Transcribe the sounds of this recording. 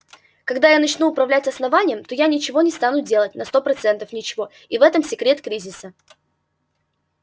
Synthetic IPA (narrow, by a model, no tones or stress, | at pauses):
kɐɡd̪ajanɐt͡ɕnuːpɾɐvlʲætʲɐsnɐvanʲɪjəmt̪o̞janʲɪt͡ɕɪvo̞nʲɪst̪anʊdʲe̞lˠət̚ʲnɐst̪o̞pɾɐt̪sɛnt̪əfnʲɪt͡ɕɪvo̞ | ivɛt̪əmsʲɪkɾʲe̞t̪kɾʲizʲɪsə